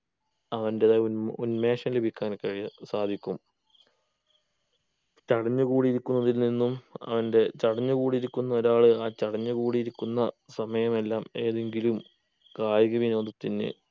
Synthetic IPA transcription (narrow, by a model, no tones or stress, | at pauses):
ɐʋɐndeunme̞ːʂɐmlebʱikʲːaːnkɐɻiɐsaːd̪ʱikʲːum | t͡ɕɐɽɐɲːukuːɽiiɾikʲːunːɐðilninːumɐ̰ʋɐnde̞t͡ɕɐɽɐɲːukuːɽiɾikʲːunːɐo̞ɾaːɭɨaːt͡ɕɐɽɐɲːukuːɽijːɾikʲːunːɐ | sɐmɐjɐme̞lːaːme̞ːðe̞ŋɡilum | kaːjiɣɐʋino̞ːd̪ɐt̪ːinɨ̰